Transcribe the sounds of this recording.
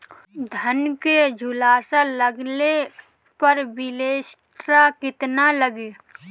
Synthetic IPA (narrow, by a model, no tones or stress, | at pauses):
d̪ʱənked͡ʒʱʊlaːsaləɡle | pəɾbɪleːsʈɾakɪt̪naləɡe